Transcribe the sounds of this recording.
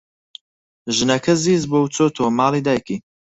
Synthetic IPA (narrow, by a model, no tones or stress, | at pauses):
ʒnɐkʰəziːzbowt͡sot̪ʰomaːlid̪ajki